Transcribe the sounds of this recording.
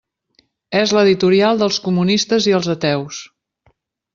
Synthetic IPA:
ezləðit̪uɾialˠd̪əlˠskumunist̪əziəlˠzət̪ɛws

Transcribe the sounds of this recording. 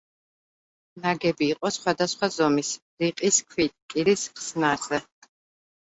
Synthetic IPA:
naɡɛbiːqʼɔsχwad̪asχwazɔmis | ɾiqʼiskʰwit̪ʼilisχsnaɾzɛ

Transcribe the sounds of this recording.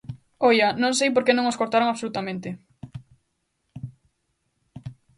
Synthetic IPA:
ɔjɐnõŋsejp̬oɾkenõŋoskoɾt̪aɾoŋaβsolut̪amẽnt̪ɪ

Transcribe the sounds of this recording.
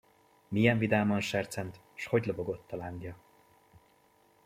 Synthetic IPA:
mijɛɱvid̪aːmɒnʃɛrt̪sɛnt̪ | ʃho̞ɟloboɡo̞t̪ːɒlaŋɡjɒ

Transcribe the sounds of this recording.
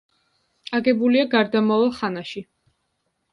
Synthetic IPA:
aɡɛbuliaɡaɾd̪amavalˠχanaʃi

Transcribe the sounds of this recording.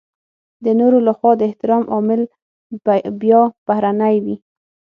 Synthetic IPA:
d̪ənoɾolaxwɑd̪əɪht̪ɪɾɑmʔɑmɪl | bjɑb̥ahɾanajwi

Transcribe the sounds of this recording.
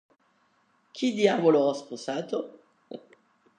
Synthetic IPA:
kʰid̪javoloʁɔsposat̪o

